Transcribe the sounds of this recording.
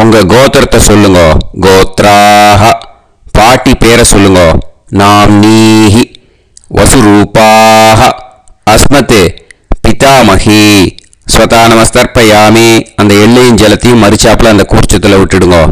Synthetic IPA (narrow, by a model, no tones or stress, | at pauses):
uŋɡɐɡɔːt̪ɾɐt̪ɐsolːuŋɡoɡɔːt̪ɾaːɦɐ | paːʈipɛːɾɐsulːuŋɡoː | naːmniːɦi | ʋʔɐ̰suɾuːpaːɦɐː | smɐt̪epit̪aːmɐhi | sʋɐt̪aːnɐmɐst̪ɐɾpɐjaːmiɐnd̪ɐeɭːɐjind͡ʒɐlɐt̪imɐɾit͡ʃaːplɐɐnd̪ɐkuːɾt͡ʃɐt̪ulɐuʈːiɽuŋɡoː